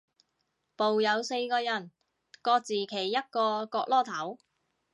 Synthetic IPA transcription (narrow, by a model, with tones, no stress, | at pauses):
po˨wjɐ˨˧wse˧jkɔː˧jɐ˨˩n | kɔː˧k̚t͡siː˨˩kʰe˨˩jːɐ˥t̚kɔː˧kɔː˧k̚lɔː˥˩t̪ʰɐ˨˥w